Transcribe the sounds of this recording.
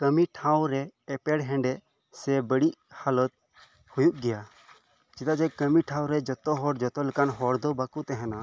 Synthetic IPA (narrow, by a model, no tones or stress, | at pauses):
kəmiʈʰãwɾɛːpɛɽɦɛ̃ɳɖɛ | sɛbəɽiʔhalət̪̚ | hujuʔɡɛja | d͡ʒit̪ad͡ʒɛkəmiʈʰãw̃ɾɛd͡ʒɔt̪ɔɦɔɽd͡ʒɔt̪ɔlɛkanɦɔɽd̪ɔbakuʔt̪ɛɦɛna